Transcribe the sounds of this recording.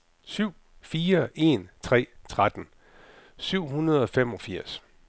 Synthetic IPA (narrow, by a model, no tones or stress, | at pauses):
syʊ̰ | fiːɐe̝nt͡sʰʁɛ̰ːt͡sʰʁad̥n̩ | syʊ̰ɦunɐð̞̩ˠɒ̽fem̰ɒ̽fiɐ̰s